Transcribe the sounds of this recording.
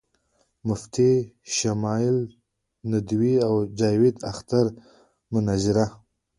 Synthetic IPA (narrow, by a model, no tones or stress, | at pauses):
mʊft̪ʰiʃamɑjɪl | nad̪wiawd͡ʒɑjwɪd̪axt̪aɾ | mʊnazɪɾa